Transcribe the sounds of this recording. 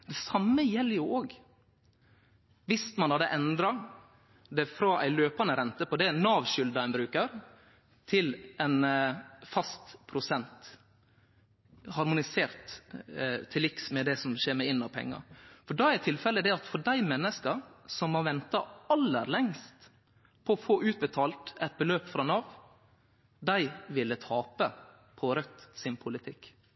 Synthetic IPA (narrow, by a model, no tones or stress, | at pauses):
d̪̥ɛsɑmːəjɛlːjʊoːɡ | ʋɪst̪mɑnhɑd̪əʔɛnd̪ɾɑ | d̪ɛfɾɑʔæ̰ɪløːpɑnəɾɛnt̪əpɔd̪ɛnːɑːʋʃʏld̪ɑɛnbɾʉːkəɾ | t̪ʰɪlɛnfɑst̪pʰɾʊsɛnt̪ | hɑɾmʊnɪseːɾt̪ | t̪ʰːɪlɪksmɛd̪ɛsɔmʃeːɾmɛɪnːɑʋpʰɛ̰ŋːə̰ɾfɔɖɑæɾt̪ʰɪlfɛləd̪ɛɑt̪fɔɖæɪmɛnːəskəɾsɔmhɑʋɛnt̪ɑɑlːə̰ɾlɛŋst̪ | pʰɔɔfoːʔʉːt̪̚bət̪ʰɑːlt̪ɛt̪̚bəløːpfɾɑnɑʋ | d̪æɪʋɪlːət̪ʰɑːpə | pʰɔɾœt̪sɪnpʰʊlɪt̪ʰɪkː